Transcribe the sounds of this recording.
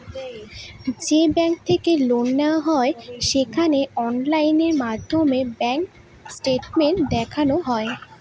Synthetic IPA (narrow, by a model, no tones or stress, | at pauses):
d͡ʑebɛŋk̚t̪ʰekelonːaɦɔeʃekʰaneɔnlajneɾmad̪ʱːomebɛŋk | sʈeʈmeɳʈ̚d̪ɛkʰanoɦɔe